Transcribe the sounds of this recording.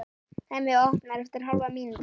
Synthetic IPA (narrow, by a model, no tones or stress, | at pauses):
θamɪɔhpnaɾɛft̪ɪɾ̥ɦalvamiːnt̪